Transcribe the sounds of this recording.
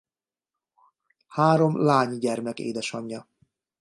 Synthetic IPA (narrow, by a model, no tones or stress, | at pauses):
haːɾo̞mlaːɲɟɛrmɛkḛːd̪ɛʃɒɲːɒ